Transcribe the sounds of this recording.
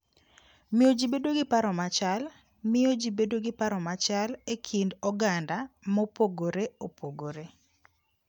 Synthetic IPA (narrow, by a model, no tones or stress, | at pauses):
mɪjod͡ʒibedoɡɪpaɾɔmat͡ʃal | mɪjod͡ʒibedoɡɪpaɾɔmat͡ʃalekʰindɔɡandamɔpoɡoɾeopʰoɡoɾe